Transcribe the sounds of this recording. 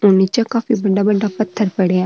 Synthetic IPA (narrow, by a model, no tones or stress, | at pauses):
ʊnːit͡ʃakaːfiːbəɖːaːbəɖːaːpət̪ʰːəɾpəɽeaː